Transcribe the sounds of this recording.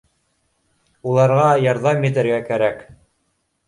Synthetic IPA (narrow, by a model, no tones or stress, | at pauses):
ulˠɑɾʁɑjɑɾðɑmjɘ̆t̪̬ɘ̆ɾɡækæɾæk